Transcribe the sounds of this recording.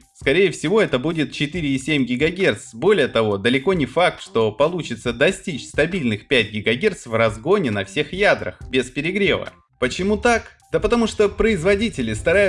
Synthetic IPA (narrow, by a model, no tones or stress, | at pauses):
skɐɾʲejəfsʲɪvo̞ɛt̪əbudʲɪt̪̚t͡ɕɪt̪ɨɾʲɪːsʲemʲɡʲɪɡɐɡʲe̞rt̪sbo̞lʲɪjət̪ɐvo̞d̪əlʲɪko̞nʲɪfak̚t̪ʂt̪o̞pɐlˠut͡ɕɪt̪səd̪ɐsʲtʲit͡ɕst̪ɐbʲilʲnɨxpʲæt̚ʲɡʲɪɡɐɡʲe̞rt̪svrɐzɡo̞nʲɪnɐfsʲe̞xjad̪ɾə̰xbʲɪspʲɪɾʲɪɡɾʲe̞̰və̰ | pət͡ɕɪmut̪akd̪̥əpət̪ɐmuʂt̪opɾəɪzvɐdʲitʲɪlʲɪst̪ɐɾajʊ